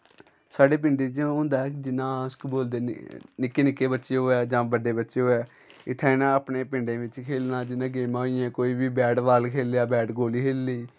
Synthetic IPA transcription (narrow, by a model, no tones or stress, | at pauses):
saːɖeːp̬ɪɳɖeːd͡ʒõːnd̪aːɛkd͡ʒɪnãːʊskboːld̪ḛːnɪkːeːnɪkːeːbətːʃeːɦoːɛːd͡ʒãːbəɖeːbətːʃeːɦoːɛː | ɪt̪ʰːɛ̃ːnãːəpneːpɪɳɖẽːʋɪt͡ʃkʰeːlnãːd͡ʒɪnãːɡeːmaːɦoːiːɛ̃ːkoːiːbiːbɛːʈʋaːlkʰeːljaːbɛːʈɡoːliːkʰeːlːiː